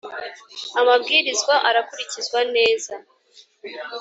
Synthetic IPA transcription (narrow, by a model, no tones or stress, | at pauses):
amabɡiːɾizɡwaʔaɾakuɾicizwane̞ːza